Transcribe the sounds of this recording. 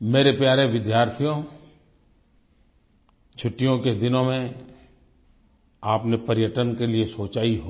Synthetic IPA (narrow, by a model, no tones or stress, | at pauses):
meːɾepjaːɾeʋɪd̪jaːɾt̪ʰijõ | t͡ʃʰʊʈːijõked̪ɪnõmẽ | aːpnepɐɾɪjəʈənkeliesoːt͡ʃaːiɦoː